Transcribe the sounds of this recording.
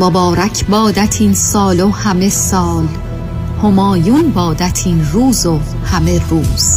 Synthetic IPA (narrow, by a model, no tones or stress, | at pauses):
mobɒːɾæcʰbɒːd̪æt̪ʰiːnsɒːlohæme̞sɒːl | homɒːjuːnbɒːd̪æt̪ʰiːnruːzo | hæmeruːz̥